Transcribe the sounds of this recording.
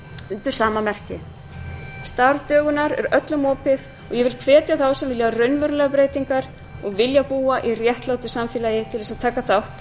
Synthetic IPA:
ʏnt̪ʏɾ̥saːmamɛr̥cɪ | st̪aɾt̪œːɣʏnaɾɛ̰ɾœt̪lʏmɔːpɪð | ɔɣjɛvɪlkʰvɛːt̪jaθawsɛmvɪljarœɥnvœɾlɛɣapɾeːjt̪iŋkaɾ̥ | ɔɣvɪljapuːaʔirjɛht̪lawt̪ʏsamfɪːlaːjɪt̪ʰɪlvɛsaðt̪ʰaːkaθawht̪

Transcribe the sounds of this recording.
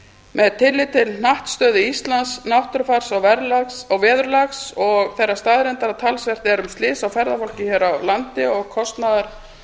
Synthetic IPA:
mɛðt̪ʰɪlːɪt̪ɪln̥aht̪st̪œːðɪist̪lansnawht̪ʏɾfaɾ̥sawvɛɾlasawvɛːðʏɾlaxsɔɣθɛrːast̪aːðɾɛnt̪aɾat̪ʰalsvɛr̥t̪ɪɛɾʏmst̪lɪːsawfɛɾðafɔl̥cɪçɛːɾawlant̪ɪɔɣkʰɔst̪naðaɾ̥

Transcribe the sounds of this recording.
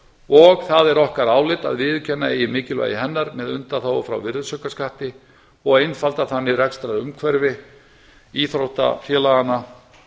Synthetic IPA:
ɔɣθaðɛɾɔhkaɾaːwlɪt̪a̰ðvɪðcʰɛnːaejɪmɪːcɪlva̰jɪɦɛnːaɾmɛðʏnt̪aθawafɾa̰wvɪɾðʏsœkaskaht̪ɪ | ɔɣejnfalt̪aθanːɪrɛkst̪ɾaɾʏmkʰvɛɾvɪ | iθɾowht̪a̰fjɛːlaɣanːa

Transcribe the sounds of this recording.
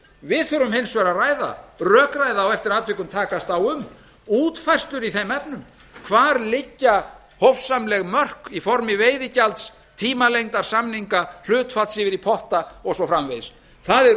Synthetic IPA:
vɪðθœɾʏmhɪnsvɛɾaraːjða̰rœːkrajðaːwɛft̪ɪɾaːt̪vɪkʏmt̪ʰaːkast̪awʏm | uːt̪fɛr̥st̪ʏɾiθejmɛpnʏm | kʰvaːɾlɪcːa | hofsamlɛɣmœr̥kifɔɾmɪveːjðɪcalt̪s | t̪ʰiːmalejŋt̪aɾ̥samniŋkal̥ʏːt̪fat̪sɪvɪɾipʰɔht̪aɔɣsɔfɾamvejs | θaðɛɾ

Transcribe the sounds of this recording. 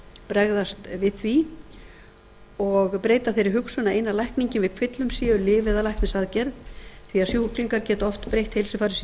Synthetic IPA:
pɾɛɣðast̪vɪðθvi | ɔɣpɾeːjt̪aθejɾɪɦʏksʏnaejnːalajhkniɲcɪnvɪð̥kʰvɪt̪lʏmsiʏlɪvɛðalajhknɪsaðcɛɾðθviasjuhukɾiŋkaɾcɛːt̪ɔft̪pɾejht̪helsʏfaːɾɪs

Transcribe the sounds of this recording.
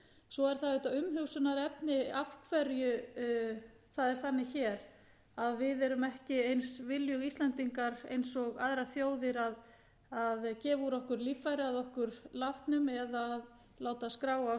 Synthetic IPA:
sɔɛɾ̥θaðʏːt̪aʏmɦʏwsʏnaɾɛpnɪafkʰvɛɾjʏ | θaðɛɾ̥θanːɪçɛɾ | aðvɪðɛɾʏmɛhcɪejnsvɪljʏɣist̪lɛnt̪iŋkaɾḛjnsɔɣaðɾaθjoːwðɪɾað | aðcɛːvuɾɔhkʏɾliːfajɾɪaðɔhkʏɾlaht̪nʏmɛðað | laːwt̪askɾaːwa

